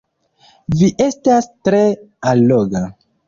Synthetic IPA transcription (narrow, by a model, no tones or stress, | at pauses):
viʔe̞stastɾe̞aloɡa